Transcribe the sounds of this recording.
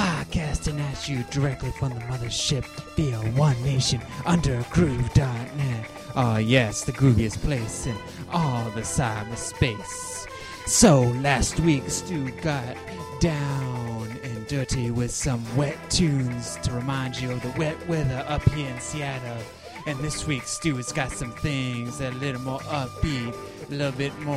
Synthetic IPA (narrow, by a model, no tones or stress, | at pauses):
aɪkʰæstɨnæt͡ʃɨdə˞ɛk̚tˡlifɹʌ̃mðɨmʌðə̥˞ʃɪp̚ðiəwʌ̃nːeɪʃɨ̃nʔʌ̃ndə˞ɨɡɹʉvdɑɹk̚nɨɾ̚ | ʔojɛsðɨɡɹʉbiɨspʰl̥eɪsɨ̃n | ɔlˠðɨsaɪmʌ̥speɪsː | oʊlæst̚wikstʉɡɑt̚d̥ãʊ̃nɪ̃ndɜ˞ɾiwɪð̥sʌ̃mwɛtʰʉ̃nz̥tʰɨɹɨmãɪ̃nd͡ʒɨʌvðɨwɛt̚wɛðə˞ʔʌphiɹɨ̃nsiæɾoʊ | ɨ̃nðɪswikstʉdsɡ̥ɑtsʌ̃mθɪ̃ŋzðɨɾəlɪɾl̩ˠmɔɹʔʌp̚i | əlɪɾl̩ˠbɪt̚mɔ